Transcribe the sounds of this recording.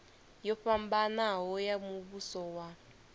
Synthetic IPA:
jɔɸambanaɦɔjamuβusɔwa

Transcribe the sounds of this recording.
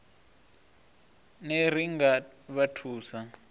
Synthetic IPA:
ner̤iŋɡaβatʰuːsa

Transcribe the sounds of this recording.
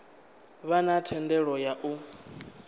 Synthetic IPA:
βanatʰɛndɛɺɔjaʔu

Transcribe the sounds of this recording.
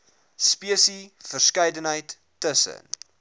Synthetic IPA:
spiəsifərskɛjdənɦəjtː | əsə̰n

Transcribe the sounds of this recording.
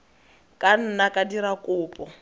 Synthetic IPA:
kʼan̩nakʼadiɾakʼʊːpʼɔ

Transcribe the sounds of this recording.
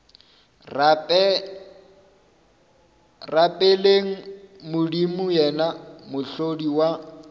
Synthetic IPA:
rapʼeleŋ̩mʊdimʊjɛnamʊɬodiwa

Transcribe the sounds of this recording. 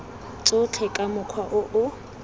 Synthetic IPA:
t͡sʼʊt͡ɬʰɛkʼamʊkʰwaʔʊʔʊ

